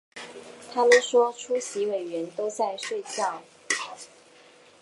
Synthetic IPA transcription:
t̪ʰa˥mə˨nʂwɔ˥ʈ͡ʂʰu˥ɕi˧˥we˨˩ɪɥɛ˧˥nt̪o˥ʊt͡sa˥˧ɪʂwe˥˧ɪt͡ɕjɑ˥˩ʊ

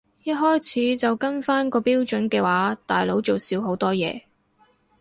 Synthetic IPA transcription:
jɐ˥t̚ɦɔː˥jt͡sʰiː˨˥t͡sɐ˨wkɐ˥nfaː˥nkɔː˧piː˥wt͡ʃɵ˨˥nkɛː˧waː˨˥t̪aː˨jlo˨˥wt͡so˨wsiː˨˥wɦo˨˥wt̪ɔː˥jɛ̰ː˨˧

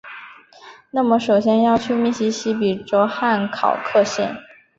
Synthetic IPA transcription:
na˥˩mə˩ʂo˨˩ʊɕjɛ˥njɑ˥˧ʊt͡ɕʰy˥˧mi˥˩ɕi˧˥ɕi˧˥p̬i˨˩ʈ͡ʂo˧˥ʊxa˥˩nkʰɑ̰˨˩ʊkʰɤ˥˧ɕjɛ˥˩n

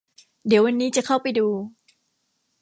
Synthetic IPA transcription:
di˨˩˦əwa˧nːiː˦˥t͡ɕa˨kʰa˥˩wpa˧jduː˧

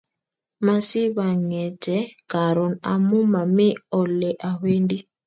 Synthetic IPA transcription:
ma˨si˦βa˨ŋɛ˨tɛ˨˦ka˨ɾɔ˨na̰˨mu˦ma˨mi˦ɔ˨lɛ˨ʔa˨ɸe˦ndi˦

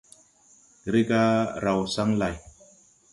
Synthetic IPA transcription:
ɡɾe˦ka˦ɾa˨wsa˦˥ŋla˨j

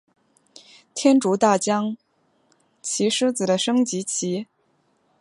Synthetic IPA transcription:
t̪ʰjɛ˥nʈ͡ʂu˧˥t̪a˥˩t͡ɕjɑ˥ŋ | t͡ɕʰi˧˥ʂɻ̩˥t͡sɹ̩˨˩d̪ə˦ʂɤ˥ŋt͡ɕi˧˥t͡ɕʰi˧˥

